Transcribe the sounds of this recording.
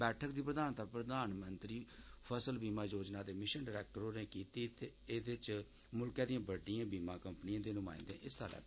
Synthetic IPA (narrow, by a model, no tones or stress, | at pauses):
bɛːʈʰəkd̪iːpɾəd̪aːnt̪aːpɾəd̪aːnmənt̪ɾiːpʰəsəlbiːmaːjoːd͡ʒnaːd̪eːmɪʃənɖəɾɛːk̚ʈəɾoːneːkiːt̪iːt̪eːeːd̪ɪt͡ʃ | mʊlkɛːd̪ijãːbəɖijãːbiːmãːkəmpnijãːd̪eːnʊ̃ːma̰ːḭ̃nd̪ḛ̃ːʔɪst̪a̰ːlɛ̰ː